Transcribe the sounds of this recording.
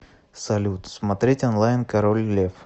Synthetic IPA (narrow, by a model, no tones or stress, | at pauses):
sɐlʲut̪smɐt̪ɾʲetʲɐnlˠajnkɐɾolʲlʲef